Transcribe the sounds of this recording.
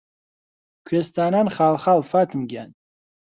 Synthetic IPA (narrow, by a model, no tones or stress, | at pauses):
kʲʷʰɛst̪ʰananχalχalfatʰɨmɡʲan